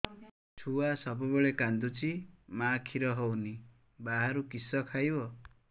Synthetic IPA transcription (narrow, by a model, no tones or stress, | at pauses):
t͡ʃʰuasɔbɔbeɭekand̪ut͡ʃimakʰiɾɔɦowni | baɦaɾukisɔkʰajbɔ